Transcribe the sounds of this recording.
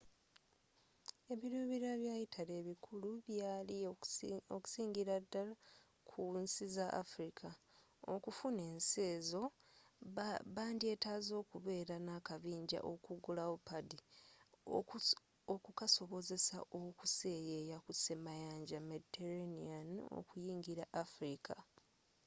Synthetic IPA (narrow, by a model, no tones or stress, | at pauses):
e̞βiɾuːβiɾaβjaːjitʰale̞ːβikʰuluβjaːli | oku̥siːŋɡiɾadːala | kʰunsizaʔa̰fɾikʰa | o̰kufune̞ːnse̞ːzo̞ | βaːndie̞ːtaːzo̞ːkuβe̞ːɾanakaβiːɲɟa̰ʔokuɡulaopadi | okukaso̞βo̞ze̞sa̰ʔokuse̞jejakusemajaːɲɟamediteɾaniano̰kujiːŋɡiɾaʔːfɾikʰa